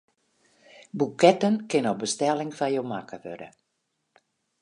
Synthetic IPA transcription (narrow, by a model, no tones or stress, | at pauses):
bukɛtənkɪnɔbəstɛlɪŋfajomakəʋø̰də̰